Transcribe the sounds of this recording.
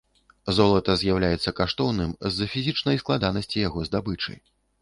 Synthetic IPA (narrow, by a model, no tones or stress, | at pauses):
zɔlˠɐt̪ɐzʲjawlʲajɛt̪sːɐkaʂt̪ɔwnɨmzːɐfʲizʲit͡ʂnɐjsklˠad̪anɐsʲt͡sʲijaɣɔzd̪abɨt͡ʂɨ̰j